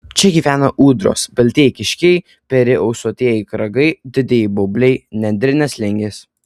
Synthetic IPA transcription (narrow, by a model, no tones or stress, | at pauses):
t͡ʃʲɛɡʲiːʋʲæːnɐʔuːd̪ɾo̰ːsbʲɛlʲt̪ʲiːkʲɪʃʲkʲɛɪ | pʲɛɾʲɪʔɐʊsoːt̪ʲiɛjɪkɾɐɡɐɪd̪ʲɪd̪ʲejɪbobʲlʲɛɪnʲɛnʲd̪ʲɾʲɪnʲɛslʲɪŋʲɡʲes